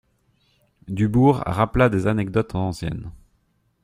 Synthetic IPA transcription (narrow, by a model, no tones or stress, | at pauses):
d̪ybuːʁa̰ʁaplad̪ezanɛɡd̪ɔt̪ɑ̃ɑ̃sjɛ̰n